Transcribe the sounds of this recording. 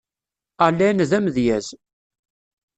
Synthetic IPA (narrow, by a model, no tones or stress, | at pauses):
alːænðæmðjæz